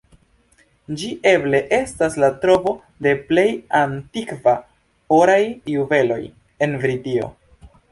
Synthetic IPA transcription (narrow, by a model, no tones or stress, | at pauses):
d͡ʒiʔe̞ble̞ʔe̞staslatɾo̞vo̞ | de̞ple̞jantikva | oɾajːuve̞lo̞̰j | e̞nvɾidio̞̰